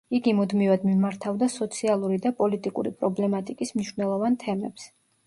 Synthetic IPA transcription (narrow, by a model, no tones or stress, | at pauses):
iɡimud̪mivad̪mimaɾt̪ʰavd̪asɔt̪sʰialˠuɾid̪apʼɔlit̪ʼikʼṵɾipʼɾɔblɛmat̪ʼikʼismniʃvnɛlˠɔvant̪ʰɛmɛ̰ps